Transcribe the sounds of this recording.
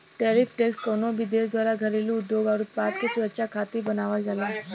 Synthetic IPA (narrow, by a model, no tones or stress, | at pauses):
ʈeɾifʈekskonoʋid̪esd̪ʋaɾaɡʱəɾleliud̪joɡaɾut̪̚pad̪̚kisuɾət͡ɕakʰat̪iːbənaʋald͡zala